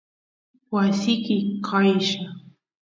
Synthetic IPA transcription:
wasɪkɪkʰajʃa

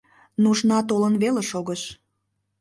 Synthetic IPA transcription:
nuʃnɑt̪olənβeleʃoɣəʃ

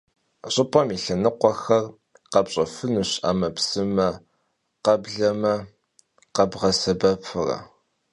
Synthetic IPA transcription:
ɕʼɪpʼɐmiɬɐnɨqʷɔxɐr | qɐpɕʼɐfɨnɨɕa̰ːmɐpsɨmɐ | qɐbɮɐmɐ | qɐbʁɐsɐbɐpʰɨrɐ̰

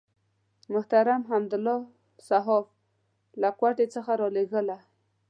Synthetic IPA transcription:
mʊht̪aɾamɦamd̪ʊlːɔ | saɦɔf | lakwaʈet͡səxaɾɔleɣəla

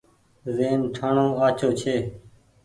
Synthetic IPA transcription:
zeːnʈʰaɳõːaːt͡ʃoːt͡ʃʰeː

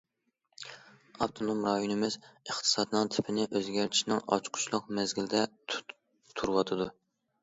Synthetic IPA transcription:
ɑpt̪ʰonomɾɑjonɨmɪzəχt̪ʰɨ̥sɑd̪ɨnɨŋt̪ʰɪpʰɪnɪʔøzɡʲæɾt̪ʰi̥ʃnɪŋɑ̰t͡ʃqʰʊ̥t͡ʃlˠʊq̚mɛzɡʲilɪd̪ɛ | t̪ʰuɾɨwɑt̪ʰɨd̪u

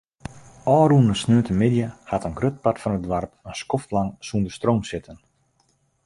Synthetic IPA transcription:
ɔːɾunəsnøːtəmɪdjəhatənɡrøt̚patfɔnədʋarpənskɔftlaŋsundəstroːmsɪtʰən

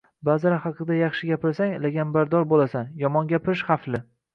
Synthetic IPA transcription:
bazaɾahɑqʰɨd̪ajɑχʃɪɡʲapʰɪɾsaŋlaɡʲambaɾd̪ɒɾbolasanjɒmɒŋɡʲapʰɪɾɪʃχaflɪ

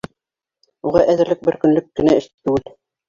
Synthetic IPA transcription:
uʁɑʔæðɘ̆ɾlɘk̚bɘɾkɵ̆nlɵkːɘ̆næɘ̆ʃt̪ɘ̥t̪ʉwɘl

